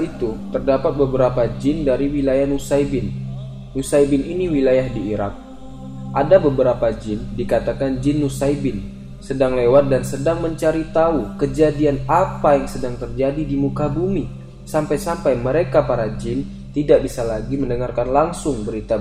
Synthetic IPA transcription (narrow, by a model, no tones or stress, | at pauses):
it̪ut̪ərdapat̪̚bəbəɾapad͡ʒɪndaɾiwilajahnusaibɪnː | usaibɪniniwilajahdiːɾa̰k̚ | ʔadabəbəɾapad͡ʒɪndikat̪akand͡ʒɪnːusaibɪn | sədaŋlewat̪̚dansədaŋməɲt͡ʃaɾit̪aukəd͡ʒadianapajaŋsədaŋt̪ərd͡ʒadidimukabumi | sampajsampajməɾekapaɾad͡ʒɪn | t̪idak̚bisalaɡiməndəŋarkanlaŋsʊŋbəɾit̪a